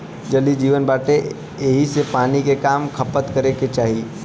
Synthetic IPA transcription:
d͡ʒəlid͡ʒiːʋənbaːʈe | eɦisepaːnikekaːmkʰəpət̪kəɾeket͡ʃaːɦi

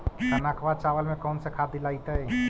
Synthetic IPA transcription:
t̪ənaːkʰʋaːd̪̚t͡ʃaːʋəlmẽkɔːnsekʰaːt̪ːilaːit̪ɛ

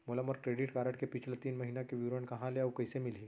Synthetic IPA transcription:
mulaməɾkɾeɽiʈkaɾəʈkepit͡ɕʰlət̪iːnməɦinakeʋiʋɾəɳkəɦãleawkəjsemili

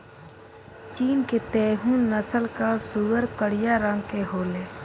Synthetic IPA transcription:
t͡ʃiːnket̪ɛːɦũːnːəsəlkasuʋəɾkəɽɪjaɾə̃ŋɡkeɦoːleː

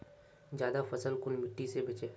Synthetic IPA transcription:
d͡ʒjaːd̪afɐsəlkʊnmɪʈːisebɐt͡ʃeː

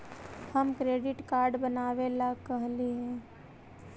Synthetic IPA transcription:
həmkɾeːɖɪʈkaːɾɖbənaːʋelakəɦliɦɛ̃ː

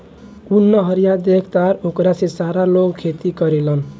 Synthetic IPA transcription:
unːəɦəɾijad̪ekʰt̪aɾokɾasesaɾaloɡkʰet̪ikəɾelən

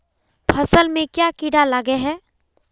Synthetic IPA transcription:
pʰəsəlmẽkjakiɽaləɡeɦɛː

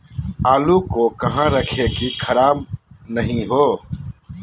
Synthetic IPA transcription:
aːluːkoːkɐɦãːɾəkʰeːkikʰəɾaːbnəɦĩːɦoː

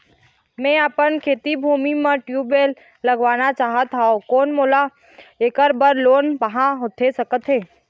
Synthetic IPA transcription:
mɛ̃əpənkʰeːt̪ibʱuːmimə̃ʈjuːbeːlː | əɡʋaːnat͡ʃaːɦət̪aːokoːnmoːla | ekəɾbəɾloːnpəɦãɦot̪ʰesɐkət̪ɦeː

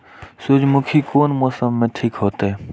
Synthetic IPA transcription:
sʊd͡ʒmʊkʰikoːnmɔːsəmːẽʈʰikɦoːt̪ɦɛː

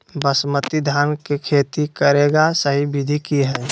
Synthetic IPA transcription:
bəsmət̪id̪ʱaːnkekʰeːt̪ikəɾeːɡasəɦibɪd̪ʱikiɦɛː

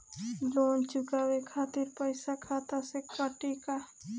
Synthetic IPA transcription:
loːnt͡ʃʊkaːwekʰaːt̪ɪɾpəɪsakʰaːt̪asekaʈika

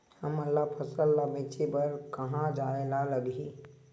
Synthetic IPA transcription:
həməlːapʰəsəlːabeːt͡ʃepəɾkɐɦãd͡ʒaːelaləɡi

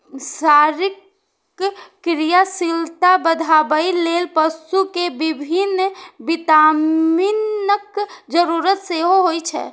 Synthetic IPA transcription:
saɾik | ɾijasilt̪abəd̪ʱabəilelpəsukebibʱinbit̪aminəkd͡ʒəɾuɾət̪seɦoɦojt͡ʃʰɛ̰

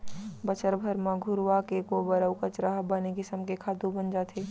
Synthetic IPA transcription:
bɐt͡ʃəɾbʱəɾmãɡʱʊɾakekobɐɾəwkɐt͡ʃɾaɦbanekɪsəmkekʰaːd̪ubɐnd͡ʒaːt̪ʰeː

